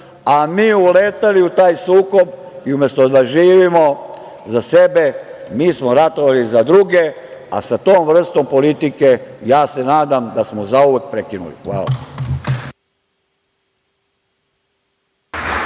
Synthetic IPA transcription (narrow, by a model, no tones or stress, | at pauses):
amiːuleːt̪aliut̪aːjsuːko̞b | iumje̞st̪od̪aʒiːʋimo̞ | zase̞be̞miːsmoɾat̪oʋalizad̪ɾuɡe̞ | a̰sat̪oːmʋr̩st̪o̞mpo̞lit̪ike̞jaːse̞naːd̪amd̪asmozauʋek̚pɾekinṵlḭxʋa̰ːla̰